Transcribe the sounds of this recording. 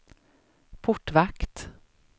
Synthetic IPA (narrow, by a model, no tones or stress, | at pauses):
pʰʊʈːvakt̪